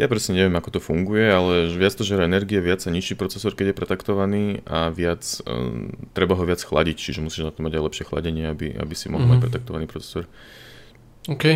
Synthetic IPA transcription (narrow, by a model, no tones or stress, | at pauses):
japɾɛsɲɛɲɛʋɪjɛmakɔt̪ɔfuŋɡujɛalɛʋɪat͡st̪ɔʒɛɾɔɛnɛɾɡiɛʋɪat͡ssaɲiʃiːpɾɔt͡sɛsɔɾkɛɟjɛpɾɛt̪akt̪ɔʋaniːaʋɪat͡s | t̪ɾɛbaɦɔʋɪat͡sxla̰ɟict͡ʃiʒɛmusiːʒnat̪ɔmaɟajlɛpʃɪɛxla̰ɟɛɲɪɛabḭa̰bisimɔ̰ɦlˠmacpɾɛt̪ak̚t̪ɔʋaniːpɾɔt͡sɛ̥sɔɾ | okɛ